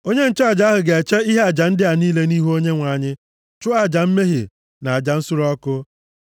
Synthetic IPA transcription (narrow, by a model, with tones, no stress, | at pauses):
o˦ɲe˦n̩˦t͡ʃe˦a˨d͡ʒa˨˦ɦʊ˨ɡe˨e˨t͡ʃe˦i˦ɦe˦a˨d͡ʒa˨n̩˦dɪ˦a˨niː˦le˦niː˦ɦu˦o˦ɲe˦ŋʷa˨˦˨ɲɪ˦ | t͡ʃʊ˦a˨d͡ʒa˨m̩˦me˦ɦi˨ | na˨a˨d͡ʒa˨n̩˦sʊ˦ɾɔ˦kʊ˦